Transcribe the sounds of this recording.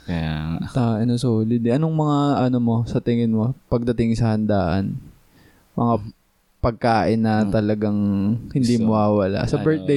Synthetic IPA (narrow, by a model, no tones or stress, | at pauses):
kjat̪aʔɐnosoːlɪd̪ɪʔɐnoŋmɐŋaʔɐnomo̞sɐt̪ɪŋɪnmopɐɡ̚d̪ɐt̪ɪŋsɐhɐnd̪aːʔɐ̰n | mɐŋa | pɐɡ̚kaːʔɪnːɐt̪ɐlɐɡaŋhɪnd̪imʊwaːwɐla̰ʔsɐbɛɹt̪̚d̪e